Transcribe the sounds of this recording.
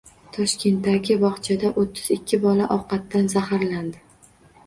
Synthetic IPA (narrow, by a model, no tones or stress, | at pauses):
t̪ʰɒʃkʲe̞nt̪ːaɡʲɪbɒχt͡ʃʰad̪aʔot̪ʰːɪz̥ɪkʲʰːɪbɒlaʔɒqɑt̪ːanzahaɾland̪ɪ